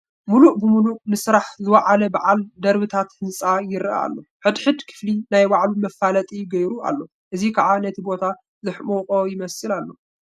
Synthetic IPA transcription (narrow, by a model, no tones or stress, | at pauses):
muluʔbɨmuluʔnɨsɨɾaħzɨwaʕalɐbaʕald̪ɐɾβɨt̪ʰat̪hɨnsʼajɪɾa̰lːo̞ħɨd̪ħɨd̪kʰɨ̥flinajbaʕlumɐfalɐt̪ʼijɡɐjɾua̰lːo̞ | ʔɨzikʰaʕanɐt̪ʰibo̞t̪ʰa | zɨħmoqʼojɪmɐsɨlalːo̞